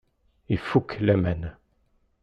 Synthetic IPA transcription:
efuklɛmɛn

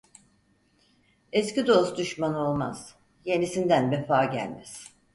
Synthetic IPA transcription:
escid̪o̞sd̪yʃmano̞lˠma̰z̥ | je̞nisind̪ænvefaːɟæ̰lʲmɛ̰z̥

